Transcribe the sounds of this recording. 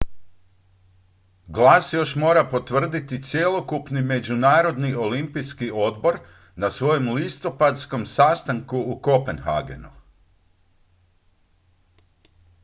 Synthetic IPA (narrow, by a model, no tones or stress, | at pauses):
ɡlˠasjo̞ʃmo̞ːɾapo̞t̪ʋr̩d̪it̪it̪sjelˠo̞kupnime̞d͡ʑunaːɾo̞d̪nio̞limpijskio̞d̪bo̞ɾ | nasʋo̞jo̞mlist̪o̞pad̪sko̞msast̪aŋkuːko̞penxa̰ɡḛnṵ